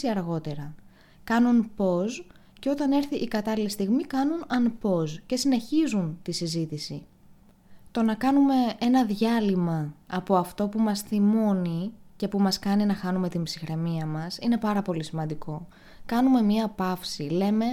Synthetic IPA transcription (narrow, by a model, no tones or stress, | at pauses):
iɐɾɣo̞t̪e̞ɾɐ | kɐnunpo̞z | ce̞o̞t̪ɐne̞ɾθiʔːkɐt̪ɐlilist̪iɣmikɐnunɐnpo̞sce̞sine̞çizunt̪isizit̪isi | t̪o̞nɐkɐnume̞e̞nɐðʝɐlimɐːpo̞ɐft̪o̞pumɐsθimo̞nice̞pumɐskɐninɐxɐnume̞t̪imbsixɾe̞miɐmɐsine̞pɐɾɐpo̞lisimɐnd̪iko̞ | kɐnume̞mɲɐɐpɐfsile̞me̞